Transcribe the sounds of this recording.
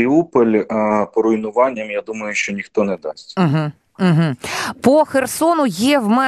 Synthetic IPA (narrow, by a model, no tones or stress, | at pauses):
ɪupɔlʲpɔɾʊjnʊʋɑnʲːɐmjad̪umɐjʊʃt͡ʃɔnʲixt̪ɔnɛd̪ɑ̰sʲtʲm̩ɦ̩ | ɦ̩pɔxersɔnʊjɛwmɛ